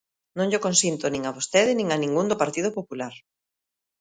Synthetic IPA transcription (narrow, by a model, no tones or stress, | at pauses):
nõŋʎokonsint̪onĩŋaβost̪eðɪnĩŋanĩŋɡund̪ʊpaɾt̪iðopopulaɾ